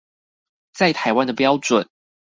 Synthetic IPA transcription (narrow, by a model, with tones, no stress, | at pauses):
t͡sa˥˨ɪt̪ʰa˨˦ɪwa˥˦nd̪ə˨pjɑ˥˦ʊʈ͡ʂwə˨˩˦n